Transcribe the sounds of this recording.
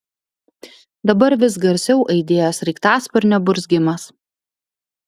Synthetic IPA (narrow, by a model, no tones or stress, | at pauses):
d̪ɐbɐɾʋʲɪsɡɐɾʲsʲɛʊʔɐɪd̪ʲeːjoːsɾʲɛɪkt̪ɑːspʲɛɾʲnʲɛbʊɾʲsʲɡʲɪmɐs